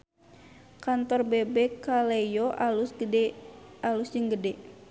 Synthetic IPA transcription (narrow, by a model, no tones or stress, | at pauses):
kant̪ɔrbɛbɛkalejoʔal | alusd͡ʒəŋɡədɛ